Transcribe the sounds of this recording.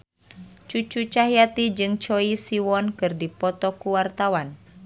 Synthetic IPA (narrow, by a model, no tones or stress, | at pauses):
t͡ʃut͡ʃut͡ʃaɦiat̪id͡ʒɨŋt͡ʃɔisiwɔnkɨrdipɔt̪ɔkuwart̪awan